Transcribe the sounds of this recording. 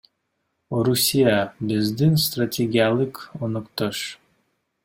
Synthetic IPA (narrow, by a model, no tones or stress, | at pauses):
ɾusʲijabɪzd̪inst̪ratʲʰeɡʲijalˠɨkonɨkt̪oʃ